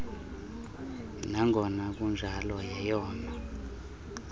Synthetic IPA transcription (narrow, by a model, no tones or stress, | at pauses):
naŋɡʱɔnak̬ʼund͡ʒʱalɔjɛjɔːna